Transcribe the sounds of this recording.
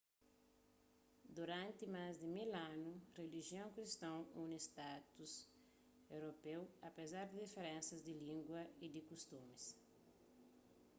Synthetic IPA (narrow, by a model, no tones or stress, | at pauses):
d̪uɾãnt̪ɪmazd̪imilãnureliʒiõŋkɾist̪ɐ̃wũnist̪at̪us | ewɾopewɐpezaɾd̪ɪd̪ifeɾẽnsɐzd̪ɪlĩŋɡwɐid̪ikust̪ũmis